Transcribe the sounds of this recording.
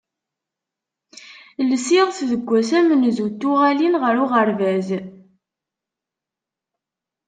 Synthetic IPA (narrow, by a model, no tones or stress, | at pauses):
ləsiʁθðəɡʷːæsæmənzut̪ːʊʁælinʁəɾʊʁəɾvæz